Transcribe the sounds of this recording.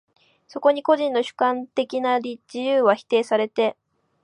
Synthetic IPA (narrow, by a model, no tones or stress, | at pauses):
so̞ko̞ɲ̟iko̞ʑĩnːo̞ɕɨ̥kãnt̪e̞kʲinaɾʲid͡ʑijɯːβaçi̥t̪e̞ːsaɾe̞t̪e̞